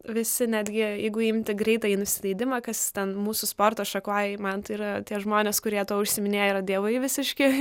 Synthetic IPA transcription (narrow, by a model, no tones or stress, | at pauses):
ʋʲɪsʲɪnʲæːd̪ʲɡʲɪjɛɪɡʊɪmʲt̪ʲɪɡɾʲɛɪt̪ɐːiːnʊsʲɪlʲˠɐɪd̪ʲɪmɐkɐst̪ʲɛnmuːsʊspoːrt̪oːʃɐkoːjɛmɐnt̪ɐɪiɾɐt̪ʲiɛʒmoːnʲeːskʊɾʲiɛt̪oɔʊʃʲsʲɪmʲɪnʲeːjiɾɐd̪ʲiɛʋoɪʋʲɪsʲɪʃʲkʲɪ